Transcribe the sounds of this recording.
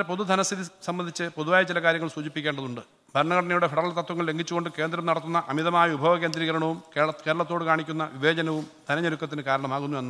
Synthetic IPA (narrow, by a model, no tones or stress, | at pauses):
epoðud̪ʱɐnɐst̪ʰiðisɐmbɐnd̪ʱit͡ɕːɨpo̞ðuʋaːjɐt͡ɕilɐkaːɾjɐŋːɐɭsuːd͡ʑipːikʲːeːɳɖɐðuɳɖɨ | bʱɐɾɐɳɐkɐɽɐnɐjuɽe̞feɽɐɾɐlt̪ɐt̪ːwɐŋːɐɭle̞ŋɡʱit͡ɕːuɣo̞ɳɖɨke̞ːnd̪ɾɐmnɐɽɐt̪ːunːɐʔɐmiðɐmaːjɐʋubʱɐʋɐke̞ːnd̪ɾiːɣɐɾɐɳɐʋumkekeːɾɐɭɐt̪ːoːɽɨkaːɳikʲːunːɐʋiʋe̞ːd͡ʑɐnɐʋumd̪ʱɐnɐɲɐɾukːɐt̪ːinɨkaːɾɐɳɐmaːɣunːue̞nː